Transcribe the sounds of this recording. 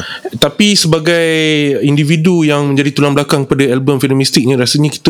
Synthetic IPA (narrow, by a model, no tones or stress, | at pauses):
t̪apisəbaɡajindividujaŋmə̃ɲd͡ʒadit̪ulamblakaŋkəpadaɛlbəmfinamĩst̪ik̚ɲə̃ɾasəɲãki̥t̪a